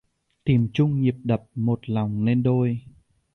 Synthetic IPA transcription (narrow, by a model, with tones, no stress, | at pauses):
t̪i˧˩əmt͡ɕʊ˧ŋ͡mɲi˨˩əp̚ɗə˨˩p̚mo˨˩t̚la˨˩wŋ͡mne˧nɗo˧j